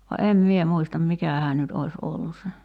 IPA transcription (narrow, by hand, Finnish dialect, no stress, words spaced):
ʋɑ em mie muistɑm mikæhæː nyt ois olːu se